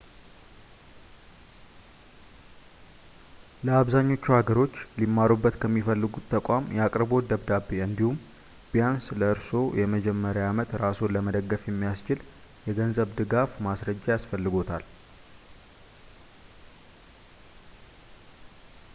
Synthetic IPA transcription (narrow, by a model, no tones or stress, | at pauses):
ləaβzaɲːo̞t͡ʃːuhaɡəɾo̞t͡ʃːlimːaɾubːət̪kʰəmːifəlːɨɡut̪ʰːəkʷʼamjɛakʼɾbo̞d̪əβd̪abeɨnd̪ihum | b̥ijansləɨɾso̞jɛməd͡ʒɛmːəɾjaamət̪ɾaso̞ləməd̪əɡːəfjɛmːijast͡ʃɪl | jɛɡənzəβd̪ɨɡafmasɾəd͡ʒːajasfəlːɨɡo̞t̪ʰal